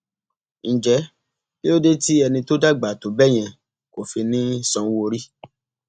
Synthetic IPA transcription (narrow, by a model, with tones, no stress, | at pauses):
ñ̩˨d͡ʒɛ˨˦ | le˦o˦de˦ti˦ɛ˧nĩ˧to˦da˦˨ɡ͡ba˨to˨bɛ˦˨j̃ɛ̃˧ | ko˨fi˧nĩ˦sɔ̃˧˦wo˧ɾi˦